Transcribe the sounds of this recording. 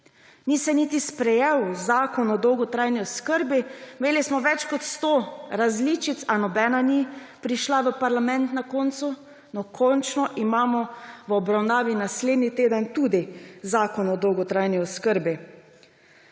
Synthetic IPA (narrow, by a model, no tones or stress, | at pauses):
nisɛnit̪ispɾɛjewzaːkɔnɔd̪ɔwɡɔt̪ɾajniɔskəɾbimeːlismɔʋɛt͡ʃkɔt̪st̪oɾazlit͡ʃit̪sanɔbɛːnani | pɾiʃlaʋəpaɾlamɛ̃nt̪nakoːnt̪su | nɔkʰɔnt͡ʃnɔʔimaːmɔʋɔbɾawnaːʋinasleːd̪nit̪eːd̪ənt̪uːd̪izaːkɔnɔd̪ɔwɡɔt̪ɾaːjniɔskəɾbi